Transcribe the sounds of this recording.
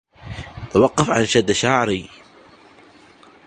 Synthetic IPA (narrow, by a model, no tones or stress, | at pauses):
t̪awɑqːɑfʕanʃad̪ːaʃaːʕɾi